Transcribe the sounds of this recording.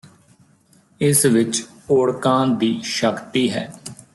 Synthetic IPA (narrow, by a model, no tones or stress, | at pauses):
ɪsʋɪt͡ʃ | oːɽkãːd̪iːʃəkt̪iːɦɛ̰ː